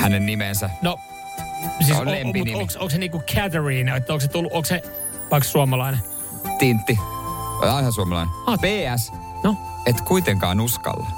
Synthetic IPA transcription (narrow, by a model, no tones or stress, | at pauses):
hænennimensæno | siːslempinioksoŋkseniːkukʰæt̪eɹiːnɑet̪ːæoːkset̪ulːuʔokse | ʋɑikssuɑmɑlɑine | t̪int̪ːḭ | ɑinɑsuɑmɑlɑ̰ineɑːpeːæsnoet̪kuit̪eŋkɑ̰ːnuskɑ̰lːɑ̰